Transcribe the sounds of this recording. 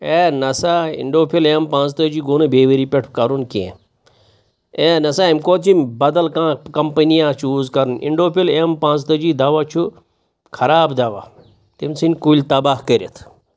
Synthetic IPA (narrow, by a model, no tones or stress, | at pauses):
eːnɐsaːḭɳɖoːpʰileːmpãːnt͡st̪əd͡ʒiːɡoːnɨbeːʋəɾiːpʲeʈʰkɐɾunkḛ̃ | eːnɐsaːimkoːt̪̚t͡ʃʰimbɐd̪ɐlkãːkɐmpənijaːt͡ʃʰuːzkɐɾnʔḭɳɖoːpʰilempãːnt͡st̪əd͡ʒiːd̪aːʋat͡ʃʰu | kʰɐɾaːbd̪aʋa̰ | t̪imsʰinʲkulʲt̪ɐbaːɦkəɾʲet̪ʰ